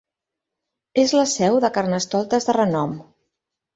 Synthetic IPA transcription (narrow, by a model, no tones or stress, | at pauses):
ezləsɛwðəkaɾnəst̪ɔlˠt̪əzðərənɔm